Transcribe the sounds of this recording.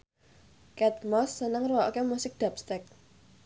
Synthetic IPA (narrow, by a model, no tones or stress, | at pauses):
kɛt̪̚mɔsːənəŋrɔɔʔkemusɪk̚d̪̥a̤pst̪ɛk̚